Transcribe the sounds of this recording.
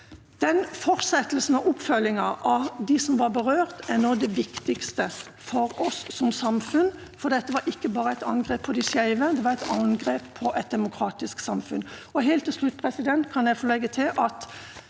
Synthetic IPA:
d̪̥ɛnfɔɾsɛt̪əlsn̩ɔʔɔpfœlːɪŋɑʔɑʋd̪ɪsɔmʋɑɾbəʁøːɾt̪ænoːd̪ɛʋɪkt̪ɪkst̪ə | fɔɾɔsːɔmsɑmfʉn | fɔɾd̪ɛt̪ːəʋɑɾʔɪkːəbɑːɾəæɪt̪ɑ̰nɡʁeːpʰːɔd̪ɪsæɪʋəd̪ɛʋɑɾɛɪt̪ɑnɡɾeːppʰːɔʔɛt̪̚d̪ɛmʊkʰɾɑːt̪ɪsksɑmfʉ̰nɔɦeɪlt̪ʰːɪlʂlʉt̪̚ːpʰʁɛsɪd̪ɛnt̪kʰɑnjæɪfoːlɛɡːət̪ʰɪlʔɑt̪

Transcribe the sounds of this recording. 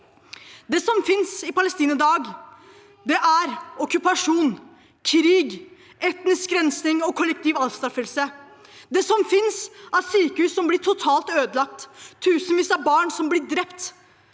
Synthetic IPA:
d̪ɛsɔmfɪnsɪpɑləst̪iːnəd̪ɑːɡ | d̪ɛʔæɾɔkːʉpɑʂuːn | kʰɾiːɡ | ɛt̪nɪskɡɾɛnsnɪŋɔkʰɔlːɛk̚t̪iːʋɑlst̪ɑfəlsə | d̪ɛsɔmfɪnsæɾsyːkəhʉːsːɔmblɪʈʰʊt̪ʰɑːlt̪øːd̪əlɑk̚t̪ʰːʉːsənʋiːsæbɑːɳsɔmblɪɖɾɛpt̪

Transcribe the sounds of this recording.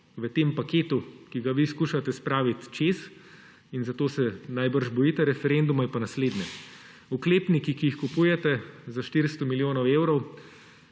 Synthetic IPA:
ʋət̪eːmpakeːt̪ukiɡaʋiskuːʃat̪ɛspɾaːʋit̪t͡ʃeːs | inzat̪osɛnajbəɾʒbɔjiːt̪ɛɾɛfɛɾend̪umɔipanasleːd̪nʲɛ | ukleːpnikikiixkupuːjɛt̪ɛzaʃt̪iɾst̪ɔmiljoːnɔweːwɾɔw

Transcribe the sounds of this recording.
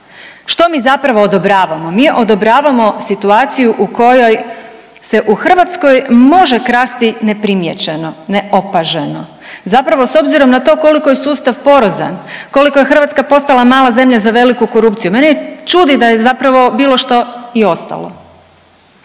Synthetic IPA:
ʃt̪o̞miːzapɾaʋo̞ːd̪obɾaːʋamo̞miːʔo̞d̪o̞bɾaːʋamo̞sit̪uaːt̪sijuʔuko̞jo̞j | se̞ʔuxr̩ʋat̪sko̞jmo̞ʒekɾaːst̪ine̞pɾimjet͡ɕeno̞neʔo̞paʒeno̞ | zapɾaʋo̞so̞bziɾo̞mnat̪o̞ko̞liko̞jesuːst̪aʋpo̞ɾoza̰nko̞likojexr̩ʋat̪skapo̞st̪alamaːlˠaze̞mʎazaʋe̞likuko̞ɾupt̪sijume̞nejet͡ʃuːd̪id̪ajezapɾaʋo̞biːlˠo̞ʃt̪o̞io̞st̪a̰lo̰

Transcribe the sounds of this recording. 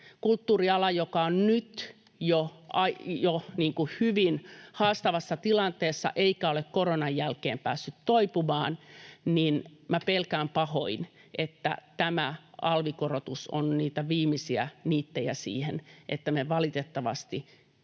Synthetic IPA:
kult̪ːuːriɑlɑjokɑonnyt̪ | joɑjoniːŋkuhyʋinhɑːst̪ɑʋɑsːɑt̪ilɑnt̪eːsːɑ̰ʔeikæolekkoronɑjjælkeːmpæ̰ːsːyt̪toipumɑːnninmæpelkæːmpɑho̰inʔet̪ːæ̰t̪æmæʔɑlʋikorot̪uso̰nniːt̪æʋiːmisiæ̰niːt̪ːejæ̰sḭːhḛnʔḛt̪ːæmeʋɑlit̪et̪ːɑʋɑ̰st̪i

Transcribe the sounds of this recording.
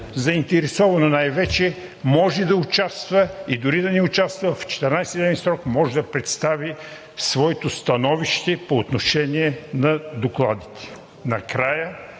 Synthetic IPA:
zɐint̪ɛɾɛsɔvɐnonajvɛt͡ʃɛ | mɔʒɛd̪ɐʊt͡ʃast̪vɐid̪ʊɾid̪ɐnɛʊt͡ʃast̪vɐvft͡ʃɛ̥t̪ɛɾnajsd̪ɛvɛnsɾɔkmɔʒɛd̪ɐpɾɛt̪st̪avi | svɔɛt̪ost̪ɐnɔviʃt̪ɛpoːt̪noʃɛniɛnɐd̪oklˠad̪it̪ɛ̥ | nɐkɾajə

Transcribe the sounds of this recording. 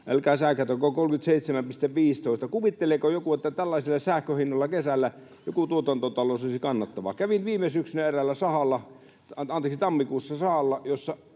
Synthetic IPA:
ʔælkæˑːsæhkæt̪ækokokolkyt̪seˑit̪semæmpist̪eʋʋiːst̪oˑist̪ɑkuʋit̪ːelekojokuet̪ːæt̪ælːɑˑsilːˑɑsæhkøhinːoˑlːɑkesælːæ | jokut̪uot̪ɑnt̪ot̪ɑloˑsoisikɑnːɑt̪ːɑʋɑ̰kæʋinʋiːmesyksynæerælːæsɑhɑlːɑ | ɑnt̪eksit̪ɑmːikuːsːɑsɑhɑlːɑjosːɑ

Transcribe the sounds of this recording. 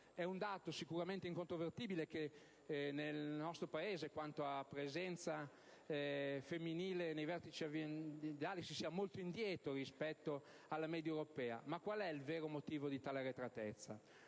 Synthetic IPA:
ɛund̪aːt̪osikuɾament̪eiŋkont̪ɾovert̪iːbileke | nelnɔst̪ɾopaeːzekwant̪oapɾezɛnt̪sa | femːiniːlenejvɛrt̪it͡ʃiavjent̪aːlisisiːamolt̪oind̪jɛːt̪oɾispɛt̪ːo | alːamɛːd̪jewɾopɛːa̰makwalɛilveːɾomot̪iːvod̪it̪aːleɾet̪ɾat̪ɛt̪sːa̰

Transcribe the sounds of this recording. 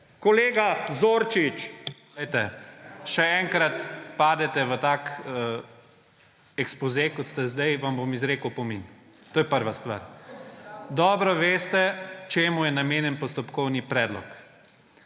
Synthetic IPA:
kɔleːɡazoːɾt͡ʃit͡ʃlɛjt̪ɛʃɛɛŋkɾat̪paːd̪ɛt̪ɛʋət̪aːkə | ɛkspɔzekɔt̪st̪ɛzd̪ɛjʋambomizɾeːkəwpɔmin | t̪oːjɛpəɾʋast̪ʋa̰ːɾ | d̪ɔːbɾɔʋeːst̪ɛt͡ʃeːmujɛnameːnjɛnpɔst̪ɔpkɔwnipɾɛːd̪lɔ̰k

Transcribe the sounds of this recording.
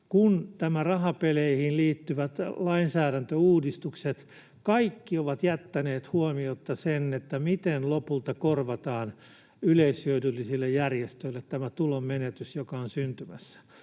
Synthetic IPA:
kunt̪æmærɑhɑpeleihinliːt̪ːyʋæt̪lɑinsæːɾænt̪øuːdist̪ukset̪ | kɑikːioʋɑt̪jæt̪ːæneːt̪huomiot̪ːɑsenːet̪ːæmit̪enlopult̪ɑkorʋɑt̪ɑːn | yleishyødylːisilːejjærjest̪øilːet̪t̪æmæt̪ulommenet̪ysjokɑonsynt̪ymæsːæ̥

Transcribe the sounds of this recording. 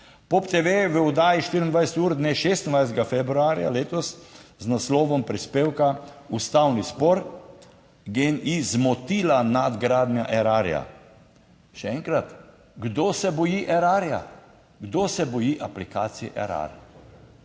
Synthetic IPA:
pɔpt̪eʋeʋəɔd̪aːjiʃt̪iːɾind̪ʋajsɛt̪uːɾd̪neʃeːst̪ind̪ʋajs̬t̪ɛɡafɛbɾuaɾja̰leːt̪ɔsznaslɔːʋɔmpɾispeːwkaust̪awnispɔɾ | ɡenizmɔt̪ilanad̪ɡɾaːd̪nja̰ʔɛɾaɾja̰ | ʃɛɛŋkɾat̪ | ɡd̪osɛbɔjiʔɛɾaːɾja̰ | ɡd̪osɛbɔjiʔaplikaːt̪sijɛʔɛ̰ɾa̰ɾ

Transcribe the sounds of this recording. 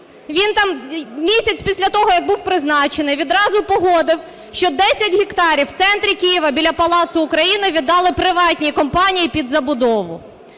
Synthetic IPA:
ʋʲint̪ɑmmʲisʲɐt͡sʲpʲisʲlʲɐt̪ɔɦɔjɐɡ̚buwpɾɪznɑt͡ʃenɪʋʲid̪ɾɑzʊpɔɦɔd̪ɪw | ʃt͡ʃɔd̪ɛsʲɐtʲɦʲikt̪ɑɾʲiwt̪sɛnt̪ɾʲikʲijiʋɐbʲilʲɐpɐlˠɑt̪sʊʊkɾɐjinɪʋʲid̪ːɑlˠɪpɾɪʋɑtʲnʲikɔmpɑnʲijipʲid̪zɐbʊd̪ɔʋʊ̰

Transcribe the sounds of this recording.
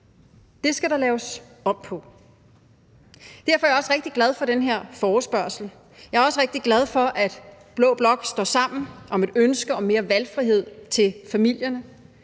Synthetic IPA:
d̥e̝sɡ̥æɾɑ̈lɛːʊs | ɒ̽b̥pʰɒ̽ | d̥æɐ̰fɒɐjɐɒ̽sʁeɡ̥̚d̥iɡ̥læð̞ˠfɒ̽ɾ̥enɦe̝ɐ̰fɒːsb̥ɶɐsl̩ | jɑ̈æɐɒ̽səʁeɡ̥̚d̥iɡ̥læð̞ˠfɒ̽ʔæd̥ | b̥lɔ̽ːb̥lɒ̽ɡ̥sd̥ɒ̰ːsɑ̈m̰n̩ʔɒ̽me̝d̥ønsɡ̥əɒ̽me̝ːɐʋælfʁiɦe̝ð̞̰ˠt͡sʰe̝lfæmil̰jɐnə

